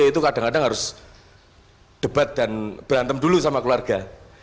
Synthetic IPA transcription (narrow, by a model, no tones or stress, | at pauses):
it̪ukadaŋkadaŋɦaɾʊs | ɖ̥əbat̪̚danb̥ɾant̪əmdulusamakluarɡ̥a